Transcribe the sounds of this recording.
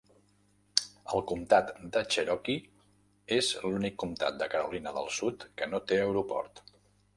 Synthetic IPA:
əlˠkumt̪at̪d̪ət͡ʃəɾɔki | ezlunikːumt̪a̰t̪̚d̪əkəɾṵlinəðə̰lˠsut̪kənot̪eəwɾupɔ̰ɾt̪

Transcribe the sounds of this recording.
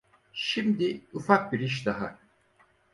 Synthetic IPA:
ʃimd̪iufak̚biɾiʃd̪aɦa

